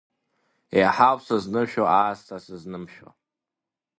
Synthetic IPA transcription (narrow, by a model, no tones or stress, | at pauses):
eħawsaznɨmʃᶣoaːstʰasɨznɨmʃᶣa̰